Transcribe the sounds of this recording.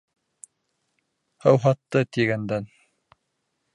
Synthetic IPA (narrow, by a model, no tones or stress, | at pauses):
hɤ̆wɦɑt̪ːɤt̪iɡænd̪æn